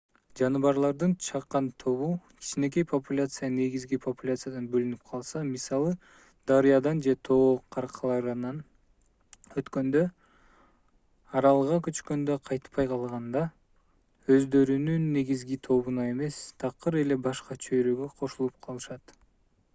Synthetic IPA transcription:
d͡ʒɑnɯβɑɾlˠɑɾd̪ɯnt͡ʃʰɑqːɑnt̪ʰo̞βukʲʰi̥t͡ʃʰine̞k̬e̞jpʰopulʲat̪sɨjane̞ɡizɡipʰopulʲat̪sɨjad̪ɑnbølynyp̚qʰɑlˠsɑmisɑlˠɯ | d̪̥ɑɾijɑd̪ɑnd͡ʒe̞t̪ʰo̞qʰɑɾqʰlˠɑɾnn | øt̪kø̞nd̪ø | ɑɾɑlˠʁɑkøt͡ʃkø̞nd̪øqʰɑjt̪pːɑjqʰɑlˠʁɑnd̪ɑ | ø̞zd̪ø̞ɾynynːe̞ɡizɡit̪ʰo̞βunɑe̞me̞st̪ʰɑqɯɾe̞le̞bɑʃqɑt͡ʃʰøjɾøɡøqʰo̞ʃulˠup̚qʰɑlˠɯʃɑt̪

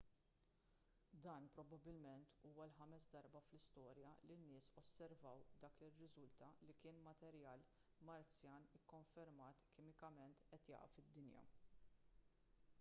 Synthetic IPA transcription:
d̪ɐːnpɾɔbɐbɪlmɛnt̪ʰuːwɐlħɐmɛsd̪ɐɾbɐflɪst̪ɔːɾjɐlinːɪːsɔsːɛɾvɐwd̪ɐːklɪrːɪzʊlt̪ɐlikɪːnmɐt̪ɛɾjɐːl | mɐɾt͡sjɐːnɪkːɔɱfɛɾmɐːt̪kɪmɪkɐmɛnt̪ʔɛt̪jɐ̰ːʔɐ̰fɪd̪ːɪnjɐ̰

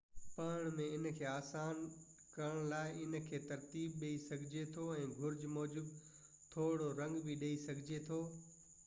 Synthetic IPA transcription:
pɐːɽ̃mẽɪnkʰeːaːsaːn | kɐɾəɽ̃laːɪɪnkʰeːt̪ɐɾt̪iːbɗeisɐɡʱɪd͡ʑet̪ʰoɛ̃ːɡʱʊɾd͡ʑmɔːd͡ʑɪb | t̪ʰoːɽoɾɐ̃ŋɡbiɗeisɐɡʱɪd͡ʑet̪ʰoː

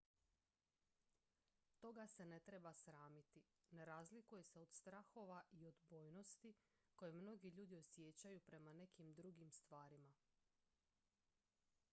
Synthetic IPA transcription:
t̪o̞ɡase̞ne̞t̪ɾe̞basɾaːmit̪i | ne̞ɾazlikuje̞se̞o̞d̪̥st̪ɾaxo̞ʋaʔio̞d̪bo̞ːjno̞st̪i | ko̞jemno̞ɡiʎuːd̪io̞sje̞t͡ɕajupɾe̞mane̞kimd̪ɾuɡimst̪ʋaːɾima

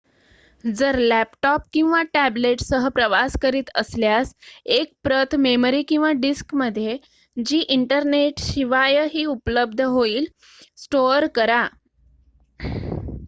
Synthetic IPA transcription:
d͡zəɾlæpʈɔp̚kĩw̃ʋaʈæbleʈsəɦəpɾəʋaskəɾiːt̪əsljasek̚pɾət̪ʰmeməɾiːkĩw̃ʋaɖiskməd̪ʱːje | d͡ʑiːʔiɳʈəɾneʈɕiʋajəɦiːupləb̚d̪ʱəɦoiːl | sʈoɾkəɾa

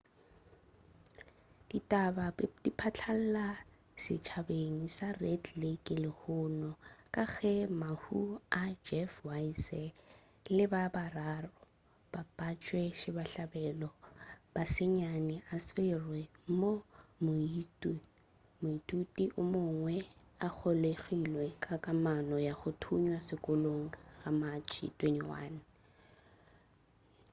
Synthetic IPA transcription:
d̥itʼabadipʰat͡ɬʰal̩la | sɪ̰t͡ʃʰabeŋ̩sarɛdlekʼɪlɪhʊnɔkʼaɣɛmahuad͡ʒɛfwaisɛ | lɪbabararɔ | b̥apʼat͡ʃʼwɛʃɪbaɬabɛːlɔb̥asɪɲanɪʔasɪrwɛmomit | mʊitʼutʼiʔʊmʊŋwɛ | ak͡xʰoleɣilwɛkʼakʼamanɔjaχʊtʰuɲwasɪkʼʊloŋ̩ɣamat͡ʃʰʼḭtʼweniwa̰ːnɪ

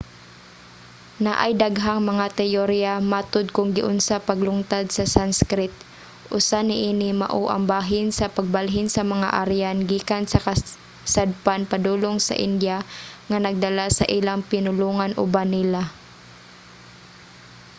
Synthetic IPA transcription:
naʔajd̪aɡɦaŋmɐŋat̪ɛjoɾjamaːt̪ʊd̪̚kʊŋɡɪʔʊnsapɐɡlʊŋt̪ad̪sɐsanskɾɪt̪̚ | ʔʊsanɪʔiːnɪma̰ʔoʔɐ̰ŋbaːɦɪnsɐpɐɡ̚balɦɪnsɐmɐŋa̰ʔaɾjanɡiːkansɐkɐ | sad̪̚panpɐd̪uːloŋsɐ̰ʔɪnd̪jaŋanɐɡ̚d̪ɐlasɐ̰ʔɪlaŋpɪnʊluːŋanʔʊ̰banɪla

